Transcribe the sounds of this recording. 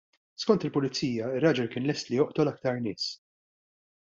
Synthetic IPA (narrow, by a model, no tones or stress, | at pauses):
skɔnt̪ɪlpʊlɪt͡sːiːjɐɪrːɐːd͡ʒɛlkɪːnlɛst̪lɪjɔʔt̪ɔlɐk̚t̪ɐɾnɪːs